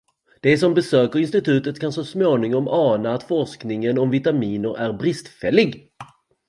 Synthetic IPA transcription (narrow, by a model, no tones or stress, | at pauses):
d̪̥ɛsɔmbɛsøːkəɾɪnst̪ɪt̪ʰʉ̟ːt̪ət̪kʰansɔsmoːnɪŋɔmʔɑːnaːt̪fɔʂknɪŋənɔmvɪt̪amiːnəɾæɾbɾɪst̪fɛlːɪɡ